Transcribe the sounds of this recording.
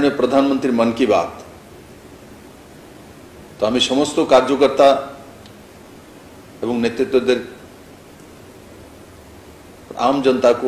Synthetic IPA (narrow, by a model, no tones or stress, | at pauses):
njepɾəd̪ʱanmənt̪ɾimənkiba̰t̪ | t̪oamisɔmɔst̪okaɾd͡ʒɔkəɾt̪a | ebɔŋnjet̪ɾit̪wod̪eɾ | pamd͡ʒənt̪ako